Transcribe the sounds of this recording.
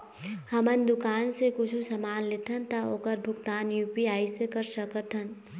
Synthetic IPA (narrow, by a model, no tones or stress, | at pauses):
hɐmənd̪ʊkaːnsekʊt͡ʃʰusɐmaːnlɪt̪ʰənt̪aoːkəɾbʱʊkt̪aːnjuːpiaːisekəɾsəkət̪ʰən